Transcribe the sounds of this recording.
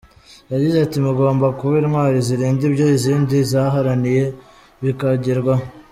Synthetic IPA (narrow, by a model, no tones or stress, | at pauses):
jaɟizatimuɡoːmbakuβimwaːɾiziɾiːndibɟo̞iziːndizaɦaɾanije̞ | βikaɟiɾɡwa